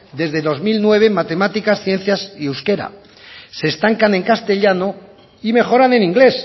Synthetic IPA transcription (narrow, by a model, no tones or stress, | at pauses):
d̪e̞zðe̞ðo̞zmilnwe̞β̞e̞mat̪e̞mat̪ikasθjẽ̞n̟θjasiewske̞ɾa̰ | se̞ːst̪aŋkanẽ̞ŋkast̪eʎano̞ | ime̞xo̞ɾane̞nĩŋɡle̞s